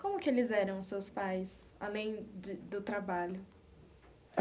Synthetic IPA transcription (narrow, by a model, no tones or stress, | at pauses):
kõmʊkɪelɪzɛɾɐ̃w̃sewspajs | a̰lẽj̃d͡ʒɪd̪ʊt̪ɾabaʎʊ